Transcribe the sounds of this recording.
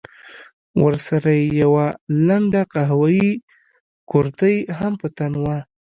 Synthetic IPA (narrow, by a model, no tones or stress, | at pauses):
wə̰ɾsaɾajejawalaɳɖaqaɦawaji | koɾt̪əjɦampət̪anwa